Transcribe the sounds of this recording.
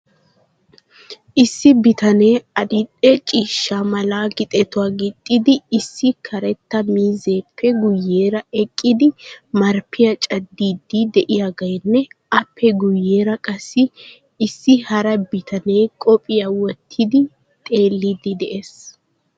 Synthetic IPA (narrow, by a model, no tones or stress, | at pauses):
ʔɪsːɪbɪt̪ɐne̞ːɐd̪ɪɗɛt͡ʃʼiːʃːamɐlaːɡɪt̪ʼɛt̪ʊwaːɡɪt̪ʼːɪd̪ɪːsːɪkʰɐɾɛt̪ːɐmiːze̞ːpʰːɛɡʊjːe̞ːɾɐɛkʼːɪd̪ɪmɐɾpʰɪjɐt͡ʃʼɐd̪ːiːd̪ːid̪ɛʔɪjaɡɐjnːɛ | ɐpʰːɛɡʊjːe̞ːɾɐkʼɐsːɪː | sːɪhɐɾɐbɪt̪ʰɐne̞ːkʼɔpʼɪjawɔt̪ʰːɪd̪ɪ | t̪ʼe̞ːlːɪd̪ɪd̪ɛʔes